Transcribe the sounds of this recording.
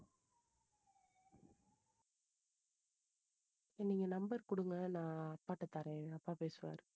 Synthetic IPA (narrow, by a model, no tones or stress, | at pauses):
ɛnːiŋɡɐnɐmbɐɾkʊɽɯŋɡɐnãːɐpːaːʈːɐt̪ːaːɾẽːɐpːaːpeːsɯʋa̰ːɾɯ